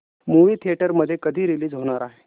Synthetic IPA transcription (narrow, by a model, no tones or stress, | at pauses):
muʋiːt̪ʰieʈəɾməd̪ʱːjekəd̪ʱiːɾiliːd͡zɦoɽ̃aɾaɦe